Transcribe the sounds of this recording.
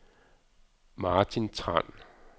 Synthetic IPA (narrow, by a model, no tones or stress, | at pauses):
mɑːt͡sʰint͡sʰʁa̰n̰